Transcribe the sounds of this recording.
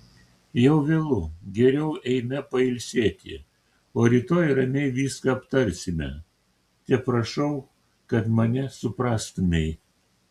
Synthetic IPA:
jɛʊʋʲeːlˠʊɡʲɛɾʲɛʊʔɛɪmʲɛpɐɪlʲsʲeːt̪ʲɪ̰ | oːɾʲiːt̪oːjɾɐmʲɛɪʋʲiːskɐɐpt̪ɐɾʲsʲɪmʲɛ̰ | t̪ʲɛpɾɐʃɐʊ | kɐt̪mɐnʲɛsʊpɾɑːst̪ʊmʲɛɪ

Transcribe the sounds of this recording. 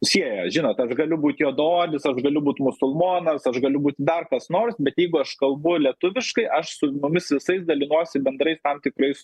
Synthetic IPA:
sʲiɛjoʒʲɪnoːt̪ɐʃɡɐlʲʊbuːt̪ʲjoːd̪oːdʲɪsɐʃɡɐlʲʊbuːt̪mʊsʊlˠmoːnɐsɐʃɡɐlʲʊbuːt̪ʲd̪ɐrkɐsnoːrsbʲɛt̪jɛɪɡʊɐʃkɐlˠbʊlʲiɛt̪ʊʋʲɪʃkɐɪʔɐʃsʊmʊmʲɪsʋʲɪsɐɪsd̪ɐlʲɪnuɔsʲɪbʲɛnd̪ɾɐɪst̪ɐmt̪ʲɪkɾɐɪs

